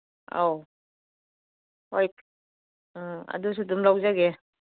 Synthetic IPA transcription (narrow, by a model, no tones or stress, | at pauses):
a̰w | ajt | ɐ̰dus̬udumlawzaɡe